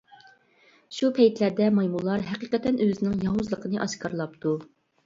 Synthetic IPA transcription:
ʃupʰɛjt̪læɾd̪ɛmɑjmulˠːɑɾɦɛqiqɛt̪ːɛnøzɪnɪŋjɑɦuzlˠəqʰənɨʔɑʃkʰɑɾlˠɑp̚t̪u

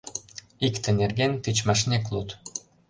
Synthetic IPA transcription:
ikt̪ɘ̆nerɣent̪it͡ɕmɑʃ̬neklut̪

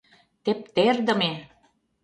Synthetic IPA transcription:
t̪ep̚t̪erd̪ə̆me

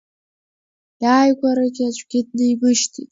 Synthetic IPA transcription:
jaːjɡʷaɾaɡʲɪat͡ʃʷʼɡʲɪdnɨimɨʃtʰitʼ

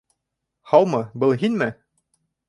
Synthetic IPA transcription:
hɑwˠmɤbɤlˠɦinmɘ

